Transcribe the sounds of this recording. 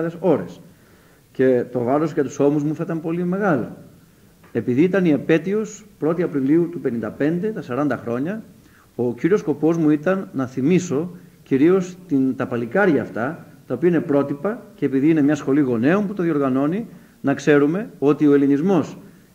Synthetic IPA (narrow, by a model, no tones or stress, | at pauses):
ðeso̞ɾes | ce̞t̪o̞vɐɾosʝɐt̪u̥so̞muzmuθɐit̪ɐmpo̞lime̞ɣɐlo̞̰ | e̞piðiit̪ɐniepe̞t̪io̞spɾo̞t̪iɐpɾiliut̪upe̞nĩnd̪ɐpe̞nd̪e̞t̪ɐsɐɾɐnd̪ɐxɾo̞ɲɐ | ociɾiosko̞po̞zmuit̪ɐnːɐθimiso̞ciɾio̞st̪int̪ɐpɐlikɐɾʝɐːft̪ɐt̪ɐo̞piɐine̞pɾo̞t̪ipɐce̞ːpiðiine̞mɲɐsxo̞liɣo̞ne̞omput̪oðio̞ɾɣɐno̞ni | nɐkse̞ɾume̞o̞t̪io̞elinizmo̞s